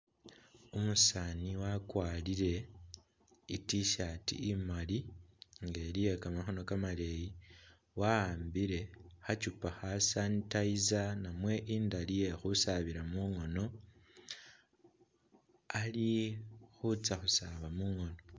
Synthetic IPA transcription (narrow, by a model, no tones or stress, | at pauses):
umusaːniwakwaːliɾe̞ | itiʃatḭimaliŋɡelije̞kamaxo̞no̞kamale̞ji | waaːmbiɾe̞xat͡ʃupaxasantaizanamwe̞ʔiːndalije̞xusaβiɾamuŋo̞no̞ | alixut͡saxusaβamuŋo̞no